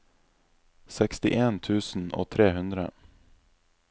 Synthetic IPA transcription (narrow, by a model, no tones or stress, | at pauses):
sɛkst̪ɪʔeːnt̪ʰʉːsn̩ʔo̰ːt̪ʰɾeːhʉnd̪ɾə̰